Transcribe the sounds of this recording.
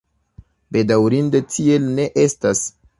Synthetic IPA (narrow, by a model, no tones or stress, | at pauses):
be̞dawɾindetʰie̞lne̞ʔe̞stas